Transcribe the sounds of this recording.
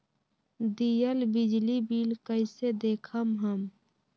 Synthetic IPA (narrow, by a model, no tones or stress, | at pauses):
d̪ijəlbɪd͡ʒlibiːlkəɪsed̪eːkʰəmɦəm